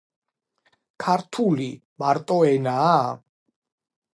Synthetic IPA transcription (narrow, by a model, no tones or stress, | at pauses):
kʰaɾt̪ʰulimaɾt̪ʼɔɛnaː